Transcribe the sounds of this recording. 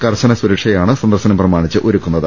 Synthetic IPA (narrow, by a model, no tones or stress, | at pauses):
kɐrɕɐnɐsuɾɐkʂɐjaːɳɨsɐnd̪ɐrsɐnɐmprɐmaːɳit͡ɕːɨʔoɾukːunːɐðɨ